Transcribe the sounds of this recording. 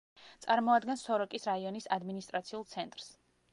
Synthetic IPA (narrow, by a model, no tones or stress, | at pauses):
t̪sʼaɾmɔad̪ɡɛnsɔɾɔkʼisɾaiɔnisad̪minist̪ʼɾat̪sʰiulˠt̪sʰɛnt̪ʼɾs